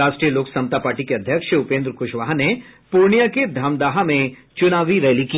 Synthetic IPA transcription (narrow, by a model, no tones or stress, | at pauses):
aːʃʈɾijəloːksɐ̃mt̪apaːɾʈikeɐd̪ʱjəkʃʊpẽːnd̪ɾəkʊʃʋaːɦnepuɾɳijaked̪ʱɐmd̪aːɦamẽt͡ʃʊnaːʋiɾɛːliki